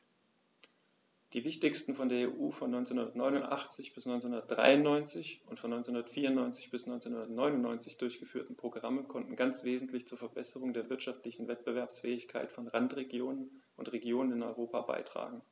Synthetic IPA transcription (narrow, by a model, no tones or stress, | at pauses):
d̥iːvɪçtɪçstn̩fɔndeːɐeːʔuːfɔnːɔʏnt͡senhʊndɐtnɔʏnʊntʔa̰χt͡sɪçb̥ɪsnɔʏnt͡senhʊndɐt̚d̥ʁa̰ɪʊnːɔʏnt͡sɪçʊntfɔnːɔʏnt͡senhundɐtfiːɐʊntnɔʏnt͡sɪ̥çb̥ɪsnɔʏnt͡senhʊndɐtnɔʏnʊnnɔʏnt͡sɪçd̥ʊɐçɡ̥əfyːɐtn̩pʁ̥oɡʁaməkʰɔntn̩ɡant͡sv̥eːzn̩tʰlɪçt͡suːɐfɛɐbɛsəʁ̞ʊŋdeːɐvɪɐtʃaftlɪçn̩vɛt̚b̥əvɛɐpsfɛːɪçkʰa̰ɪtfɔnʁantʁeɡjoːnən | ʊntʁeɡjoːnənɪnɔʏʁoːpaba̰ɪtʁ̥a̰ːɡŋ̩